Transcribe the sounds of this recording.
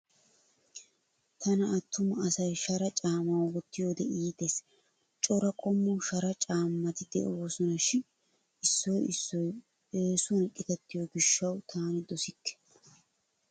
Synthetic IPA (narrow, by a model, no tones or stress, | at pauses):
t̪ʰɐnɐɐt̪ːʊmɐɐsɐjʃɐɾɐt͡ʃʼaːmɐwwɔt̪ːɪjod̪ɛiːt̪es | t͡ʃʼɔɾɐkʼɔmːɔʃɐɾɐt͡ʃʼaːmːɐt̪ɪd̪̥ɛ̰ʔowoːsɔnɐʃːɪ | ɪsːɔjɪsːɔj | eːsʊnkʼːɪt̪ɛt̪ːɪjɔɡɪʃːɐwt̪ʰaːnɪd̪ɔsɪkːɛ̥